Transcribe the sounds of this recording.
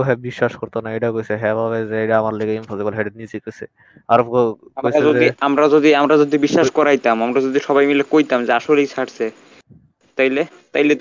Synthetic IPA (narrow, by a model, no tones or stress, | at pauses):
ɦɛbiʃːaʃkoɾt̪onaejʈakojsʰeɦɛ̃bʱaβezeejʈaamaɾleɡeimpʰosibolɦeɖenit͡ɕikojsʰe | aɾofkokaojɾaod̪iamɾad͡ʑod̪iamɾad͡ʑod̪ibiʃːaʃkɔɾajt̪amamɾad͡ʑod̪iʃɔbajmilekojt̪amd͡ʑeaʃolejt͡ɕʰaʈsʰe | t̪aɦile | t̪aɦilet̪